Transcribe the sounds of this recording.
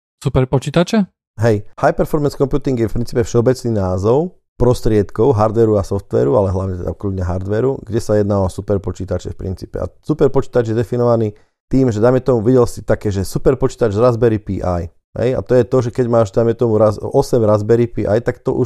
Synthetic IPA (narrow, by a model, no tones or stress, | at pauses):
supɛɾpɔt͡ʃiːt̪at͡ʃɛ | ɦɛjhajpɛɾfɔɾmɛnskɔmpjuːt̪iŋɡjɛfpɾint͡siːpɛfʃɛɔbɛt͡sniːnaːzɔʊ | pɾɔst̪ɾɪɛt̪kɔʊɦaɾd̪ʋɛɾuasɔft̪ʋɛ̰ːɾualɛɦlaʋɲɛt̪ɛd̪a̰ukludɲaɦaɾd̪ʋɛːɾuɡɟɛsajɛd̪naʋasupɛɾpɔt͡ʃiːt̪at͡ʃɛfpɾḭnt͡siːpɛ̰a̰supɛɾpɔt͡ʃiːt̪ad͡ʒjɛd̪ɛfinɔʋaniː | t̪iːmʒɛd̪ajmɛt̪ɔmuʋiɟɛlsit̪akɛːʒɛsupɛɾpɔt͡ʃiːt̪ad͡ʒzɾazbɛɾipiːʔaj | ɦɛ̰ja̰t̪ɔjɛt̪ɔʒɛkɛɟmaːʒd̪ajmɛt̪ɔmuɾazɔsɛmɾazbɛɾipiʔa̰jt̪akt̪ɔ̰ʔu